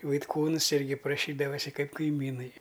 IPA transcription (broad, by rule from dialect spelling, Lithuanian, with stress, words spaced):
ʋɐɪtˈkuːns ˈɪrʲɡʲɪ prɐˈʃʲiːdɐʋɐsʲɪ ˈkɐɪp kɐɪˈmʲiːnɐɪ